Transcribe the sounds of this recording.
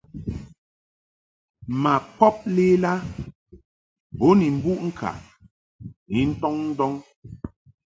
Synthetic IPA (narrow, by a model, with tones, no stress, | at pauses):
ma˨pɔ˦p̚le˦la˦ | bo˨˦ni˨m̩˨bu˦ʔŋ̩˦kʰa̰˨ | ni˨˦n̩˦tɔ˦ŋn̩˦dɔ˦ŋ